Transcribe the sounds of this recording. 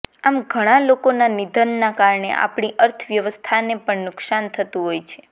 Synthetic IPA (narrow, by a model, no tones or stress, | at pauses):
amɡʱəɽ̃alokonanid̪ʱənːakaɾɳḛʔa̰pɳiʔəɾt̪ʰʋjəʋəst̪ʰanepəɳnʊksant̪ʰət̪ũɦojt͡ʃʰe̥